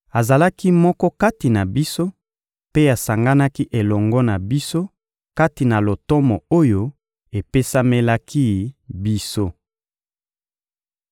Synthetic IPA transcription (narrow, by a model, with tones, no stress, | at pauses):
a˨za˨la˦ki˦mɔ˦kɔ˦ka˦ti˨na˨bi˦so˦ | pe˦a˨sa˨ŋɡa˦na˦ki˦ʔe˨lɔ˨ŋɡɔ˦na˨bi˦so˦ | ka˦ti˨na˨lo˨tɔ˦mɔ˨o˦jo˦ | e˨pe˦sa˦me˦la˦kʰi˦bi˦so˦